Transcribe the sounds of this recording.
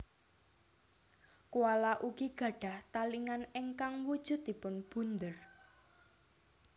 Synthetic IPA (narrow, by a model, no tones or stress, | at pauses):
kuwalaʔuɡ̥iɡ̥ä̤ɖ̥a̤ht̪aliŋaneŋkaŋwud̥ʒ̥ʊ̤t̪̚d̪̥ipʊnb̥ṳnd̪ər